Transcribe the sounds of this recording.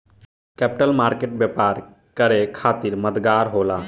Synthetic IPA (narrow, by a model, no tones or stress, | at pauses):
kɛpiʈəlmaɾkeʈ̚bjepaɾ | kəɾekʰat̪iɾməd̪ɡaɾɦola